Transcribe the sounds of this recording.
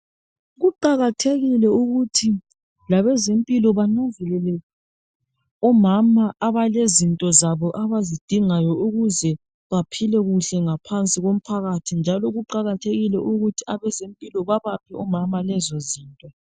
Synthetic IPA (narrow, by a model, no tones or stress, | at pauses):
ɣuǃaɣatʰeɣilɛuɣutʰi | laβɛzempʼilɔβanoɱvɛlɛlɛ | ɔmamaʔaβalezintʼɔzaβɔʔaβazid̥ʱiŋajɔuɣuzɛ | βapʰilɛɣuɬɛŋapʰant͡sʼiɣom̩pʰaɣatʰind͡ʒʱalɔɣuǃaɣatʰeɣilɛʔuɣutʰiaβɛzempʼilɔβaβap̚ʰiɔmamalɛzoziːntʼɔ